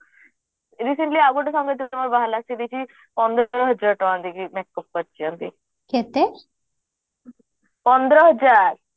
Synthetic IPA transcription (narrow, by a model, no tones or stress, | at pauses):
ɾiseɳʈliaɡɔʈɔsɔ̃ŋɡet̪iamɔɾbaɦalast̪id̪it͡ʃʰi | pɔnd̪ɾɔɦəd͡ʒaɾʈɔand̪ikimɛk̚ːɔpːɔɾt͡ʃʰiɔ̃nt̪i | ket̪e | pɔnd̪ɾɔɦəd͡ʒaɾ